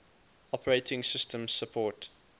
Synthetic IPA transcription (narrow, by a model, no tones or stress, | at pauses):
ɔpəɹeɪtʰɪ̃ŋsɪstʰə̃mz̥səpʰɔːt